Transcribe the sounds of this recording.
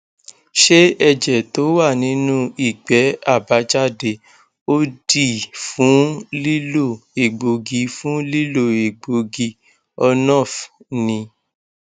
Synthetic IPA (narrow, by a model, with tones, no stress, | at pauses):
ʃe˦ɛ˧d͡ʒɛ˨to˨˦wa˦˨nĩ˨˦nũ˦i˨ɡ͡bɛ˨˦a˦˨ba˨˦d͡ʒa˦˨de˧ | o˦di˦˨fũ˨˦li˦lo˦˨e˨ɡ͡bo˨ɡi˧fũ˦li˦lo˦˨e˨ɡ͡bo˨˧ɡi˧ | ɔ˧nɔ̃˦˨f | nĩ˧